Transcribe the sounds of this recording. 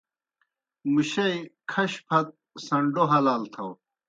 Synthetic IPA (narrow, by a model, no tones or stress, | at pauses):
muɕɐjkʰɐɕpʰɐt̪̚ | sɐɳɖoɦɐlaːlt̪ʰɐw